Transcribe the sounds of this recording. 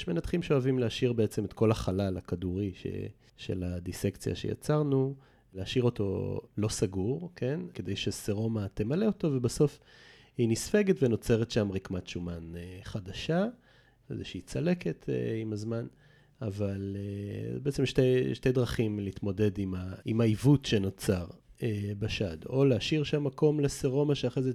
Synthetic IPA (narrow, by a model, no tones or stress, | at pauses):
ʃme̞nat̪χimʃeoavimleaʃiʁbeet͡semet̪ko̞laχalalakaduʁiʃḛ | ʃe̞̰lad̪isekt͡sija̰ʃeja̰t͡saʁnu | leaʃiʁo̞to̞lo̞saɡuʁkʰe̞nke̞d̪ejʃeseʁo̞mat̪e̞maleo̞to̞vebaso̞f | hinisfe̞ɡet̪veno̞t͡se̞ʁetʃamʁikmatʃumaneχadaʃa | ḛzḛʃeit͡sale̞ketʰḛimazman | avalebeet͡semʃteʃte̞jdʁaχimliit̪mo̞de̞dimaimaivutʃe̞not͡saʁebaʃad̪o̞leaʃiʁʃamːako̞mleseʁo̞maʃeaχʁeze